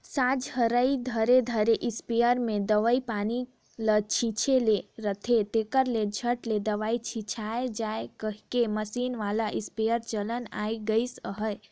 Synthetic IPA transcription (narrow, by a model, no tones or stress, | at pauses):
sãd͡ʒhəɾəid̪ʱəɾed̪ʱəɾeʔispejəɾmed̪əʋəipani | lət͡ʃʰĩt͡ʃʰeleɾət̪ʰet̪ekəɾled͡ʒʱəʈled̪əʋait͡ʃʰĩt͡ʃʰaed͡ʒaekəɦkeməsinʋalaʔispejəɾt͡ʃələna̰jɡəɪsəɦə